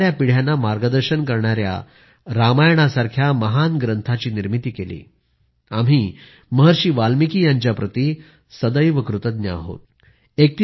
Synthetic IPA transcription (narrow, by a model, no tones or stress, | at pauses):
ɾjapiɽ̤janːamaɾɡəd̪əɾɕənkəɾɳaɾja̰ | ɾamajɳ̃asaɾkʰjaməɦanɡɾənt̪ʰat͡ɕiːniɾmit̪iːkelḭː | am̤iː | məɦəɾɕiːʋalmikʰiːjaɲt͡ɕjapɾət̪iː | səd̪əjʋəkɾut̪əd̪njə̰a̰ɦo̰t̪ | ek̚t̪i